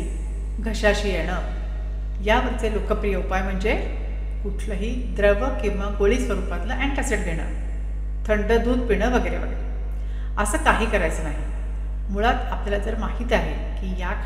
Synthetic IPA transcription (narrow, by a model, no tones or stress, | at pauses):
ɡʱəɕaɕiːjeɽ̃ə | jaʋəɾt͡selokʰəpɾijəupajm̤əɳd͡ze | kuʈʰləɦiː | d̪ɾəʋəkĩw̃ʋaɡoɭiːsʋəɾupat̪ləʔæɳkæseʈɡ̪ʱeɽ̃ə̰ | t̪ʰəɳɖəd̪uːd̪̚piɽ̃əʋəɡəjɾḛʋə̰ɡəe | əsəːkaɦiːkəɾajt͡sənaɦi | muɭat̪aplalad͡zəɾmaɦit̪iaɦe | kiːja